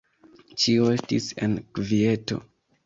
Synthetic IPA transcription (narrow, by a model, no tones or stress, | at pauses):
ʃioestisḛnkvie̞to̞̰